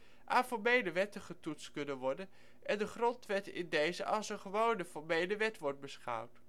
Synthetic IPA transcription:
ʔaːfɔɹmejləʋɛtəχətutstkɵnənʋɔɹdən | ɛndəχrɔntʋɛtɪ̰ndejzəʔɑlˠsənχəʋownəfɔɹmejləʋɛtʋɔɹt̚bəsχʌ̰wt

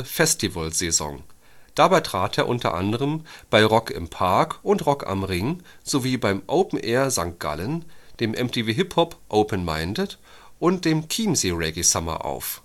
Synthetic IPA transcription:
fɛstʰivəlzezɔ̰ŋ | d̥abaɪtʁ̥aːtḛːɐʔʊntɐ̰ʔa̰ndəʁəmb̥aɪʁɔkɪ̰mpʰaɐkʔʊntʁɔka̰mʁɪŋz̥oviːbaɪmʔoʊpn̩ʔɛːɐzaŋkt̚ɡ̥a̰lənd̥eːmʔɛmtʰeːveːɦɪphɔpʔoʊpʰənma̰ɪndət | ʔʊnt̚d̥eːmkʰiːmzeʁɛɡisamɐ̰ʔa̰ʊf

